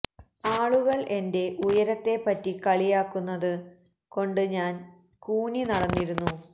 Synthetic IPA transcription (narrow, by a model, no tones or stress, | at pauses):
aːɭuɣɐɭʔe̞nde̞ʔujɐɾɐt̪ːe̞pːɐtːikɐɭijaːkːunːɐðɨ | ko̞ɳɖɨɲaːn | kuːninɐɽɐnːiɾunːu